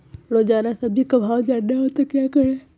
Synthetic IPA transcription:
loːd͡ʒaːnasɐbʱikɐbʱaːʋd͡ʒaːɖeɦot̪ekjaːkəɾe

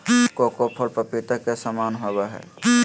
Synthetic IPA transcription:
kokopʰəlpəpit̪akesamaːnɦobaɦɛ̰ː

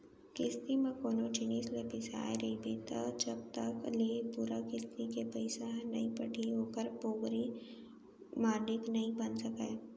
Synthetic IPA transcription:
kɪst̪imẽkoːnot͡ʃɪniːslepɪsa̰ːeɾebet̪ad͡ʒɐb̚t̪ɐklepuːɾakɪst̪ikepəɪsanɐɦĩpɐʈʰiɦoːkəɾpoːɡɾi | maːnɪknɐɦĩbɐnsɐkḛː

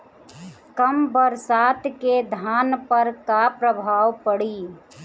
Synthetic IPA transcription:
kəmbəɾsat̪ked̪ʱanpəɾkapɾəbʱawpəɽi

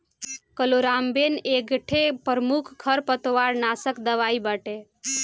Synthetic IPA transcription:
kəloɾambeneɡʈʰepɾəmukʰɡʰʱəɾpət̪ʋaɾnasəkd̪əʋaibəʈe

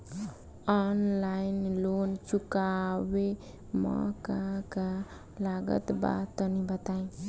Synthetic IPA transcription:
ɔnlainlont͡ʃukawe | mɔ̰kaka | laɡə̰t̪ba̰t̪ːənibət̪aĩ

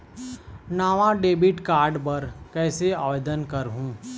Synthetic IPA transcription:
naːʋãɖeːbɪʈkaːɾɖpɐɾkɛːseaːʋeːd̪ənkɐɾɦũː

